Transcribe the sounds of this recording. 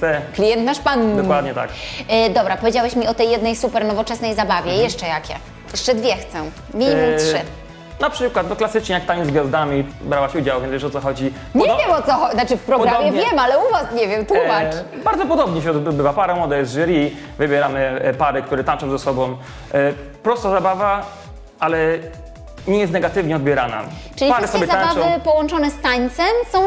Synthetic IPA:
t̪ɛklʲijɛnt̪naʂpand̪ɔwad̪ɲɛt̪a̰kd̪ɔbɾapɔvʲed͡ʑawɛɕmʲiɔt̪ɛjːɛd̪nɛjsupɛɾnɔvɔt͡ʂɛsnɛjzabavʲjɛjɛʂt͡ʂɛjakʲɛ̰ | jɛʂt͡ʂɛd̪vʲjɛxt̪sɛ̃ | mʲiɲimumtʂɘ | napʂɘkwat̪̚nɔklasɘt͡ʂɲɛjak̚t̪aɲizɡʲjazd̪amʲibɾawaɕud͡ʑawvʲɛnvɛʂɔtsɔxɔd͡ʑi | ɲɛvʲjɛmɔt̪sɔxɔnat͡ʂɘfpɾɔɡɾamjɛvʲjɛmalɛuvasɲɛvʲjɛmt̪wuma | baɾd̪zɔpɔd̪ɔbɲɛɕ̬ɛɔd̪bd̪bɘvapaɾam̃ɔd̪ajɛzʐɘɾʲi | vɘbʲjɛɾamɘpaɾɘk̚t̪uɾɛt̪ant͡ʂɔ̃w̃zasɔbɔ̃w̃ | pɾɔst̪azabava | alɛ | ɲɛjɛst̪nɛɡat̪ɘvɲɛɔd̪̚bʲjɛɾana̰ʈ͡ʂɘlʲipaɾɛssɔbbjɛzaãnbavɔɨpɔwɔ̃nt͡ʂɔnɛst̪aɲt̪sɛmsɔ̃w̃

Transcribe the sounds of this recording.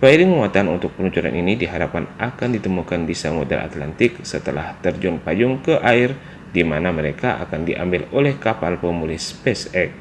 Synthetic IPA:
baiɾɪŋməŋuat̪aanṵnt̪ʊk̚pənuɲt͡ʃuɾa̰nʔinidiɦaɾapanʔakandit̪əmukandisaŋodɛ̰la̰t̪la̰nt̪ɪksət̪əla̰ht̪ərd͡ʒɔnpajʊŋkəʔaɪr | dimanaməɾekaʔa̰kandiʔa̰mbɪlolɛhkapalpəmulɪhspɛsɛk̚

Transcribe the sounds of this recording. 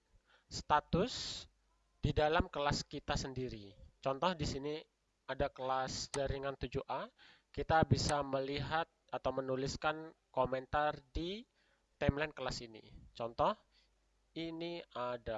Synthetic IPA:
st̪at̪ʊs | d̥idalamkəlaskit̪asəndiɾit͡ʃɔnt̪ɔhdisini | adakəlasd͡ʒaɾiŋant̪ud͡ʒuʔakit̪abisaməliɦat̪̚at̪awmənuliskankomɛnt̪ardi | t̪ɛmlɛnkəlasinḭt͡ʃɔnt̪ɔh | iniada

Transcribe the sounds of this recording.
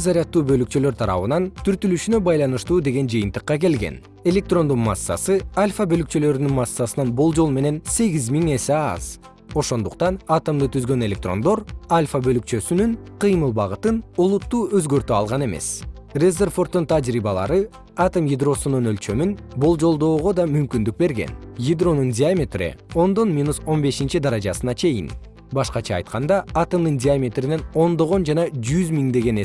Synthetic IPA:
zaɾʲijɑt̪ːuːbø̞lykt͡ʃø̞lø̞ɾt̪ʰɑɾɑ̰βɯnɑnt̪ʰyɾt̪ylyʃynø̞bɑjlˠɑnɯʃt̪uːd̪e̞ɡe̞nd͡ʒɯjɯnt̪ɯ̥qːɑke̞lɡe̞̰n | e̞lʲe̞k̚t̪ro̞nd̪unma̰sːɑ̰sɯalʲfabølykt͡ʃø̞lø̞ɾynynmɑsːɑsɯnɑnbo̞lˠd͡ʒolˠme̞ne̞nse̞ɡizmiŋe̞seɑ̰z̥ | o̞ʃo̞nd̪uqt̪ɑnat̪əmd̪ɯt̪ʰyzɡø̞ne̞lʲe̞k̚t̪ro̞nd̪o̞ɾalʲfabø̞lyk̚t͡ʃø̞synynqʰɯjmɯlˠbɑʁɯt̪ɯnulˠut̪ːuːø̞zɡø̞ɾt̪øɑlˠʁɑne̞me̞̰s | rezʲerfo̞rt̪ːunt̪ʰad͡ʒɾibɑlˠɑ̰ɾɯ | ɑt̪əmjid̪ro̞sununø̞lt͡ʃø̞myn | bolˠd͡ʒo̞lˠd̪o̞ːʁo̞d̪ɑmymkynd̪yk̚be̞ɾɡe̞̰njid̪ro̞nundʲɪamʲe̞t̪rḭo̞nd̪o̞nmʲinuso̞nbe̞ʃint͡ʃid̪ɑɾɑd͡ʒɑsɯnɑt͡ʃʰe̞jḭn | bɑʃqɑt͡ʃʰɑ̰ːjt̪qɑnd̪ɑɑt̪əmd̪ɯndʲiamʲe̞t̪rine̞no̞nd̪o̞ʁo̞nd͡ʒɑnɑd͡ʒyzmʲiŋd̪e̞ɡe̞ne

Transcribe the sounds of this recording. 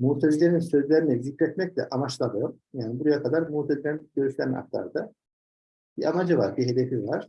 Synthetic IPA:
muːt̪ʰed͡ʒilʲeɾinsø̞zlʲeɾinɛzicɾɛt̪mɛclʲɛ̰ʔamat͡ʃlˠamɯjom | jaːnibuɾajakʰad̪aɾmuːt̪ʰad͡ʒilʲeɾinɟ̥øɾyʃlʲæna̰k̚t̪lˠa̰ɾd̪a | b̥iʔamad͡ʒɯvaɾbiɦe̞d̪efivaɾ̥

